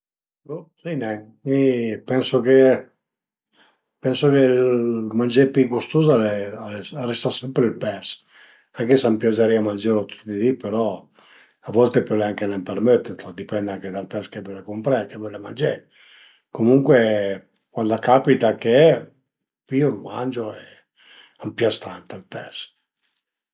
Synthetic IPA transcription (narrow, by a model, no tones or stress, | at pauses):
sinɛ | mipɛnsoke | pɛnsokelmand͡ʒepikust̪ozaleaearest̪asɛmpɾelpɛs | aŋkesampjad͡ʒaɾiamand͡ʒeɾot̪u̥t̪d̪id̪ipeɾɔ | avɔlt̪epɔleaŋkenempermet̪ːet̪ɔd̪ipɛnd̪aŋked̪alpɛskevolekompɾekevɔlema̰nd͡ʒe | komuŋkwe | kwand̪akapit̪ake | piolma̰nd͡ʒoɛ | ampjast̪ant̪alpɛs